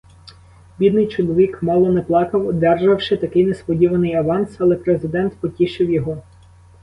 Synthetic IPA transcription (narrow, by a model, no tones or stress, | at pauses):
bʲid̪nɪjt͡ʃɔlˠɔʋʲikmɑlˠɔnɛplˠɑkɐwd̪ɛrʒɐwʃɪt̪ɐkɪjnespɔdʲiʋɐnɪjɐʋɑnsɐlˠɛpɾezɪd̪ɛnt̪pɔtʲiʃɪwjɔɦɔ